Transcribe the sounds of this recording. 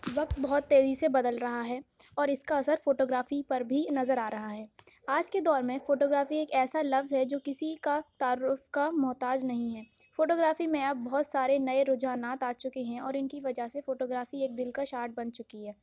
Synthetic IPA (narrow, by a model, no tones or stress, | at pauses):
ʋɐk̚t̪̚bɔɦʊt̪ːeːzisebɐd̪əlɾɐɦaɦɛːɔːɾɪskaɐsəɾfoːʈoːɡɾaːfipɐɾbʱinɐzəɾaːɾɐɦaɦɛːaːd͡ʒked̪ɔːɾmẽfoːʈoːɡɾaːfieːkɛːsalɐfzɦɛd͡ʒoːkɪsikat̪aːɾʊfkamʊɦt̪aːd͡ʒnɐɦĩɦɛː | foːʈoːɡɾaːfimẽɐb̚ːɔɦʊt̪saːɾenɐeɾʊd͡ʒaːnaːt̪aːt͡ʃʊkeɦɛ̃ɔːɾɪnkiʋɐd͡ʒaɦsefoːʈoːɡɾaːfieːk̚d̪ɪlkaʃaːɾʈ̚bɐ̃nt͡ʃʊkiɦɛː